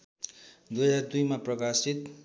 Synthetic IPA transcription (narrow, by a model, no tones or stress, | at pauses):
d̪ujɦʌd͡zard̪ujmaprʌkasit̪